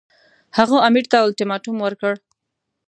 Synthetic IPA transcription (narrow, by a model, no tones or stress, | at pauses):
haɣuamiʈt̪awalʈɪmɑʈumwəɾkəɽ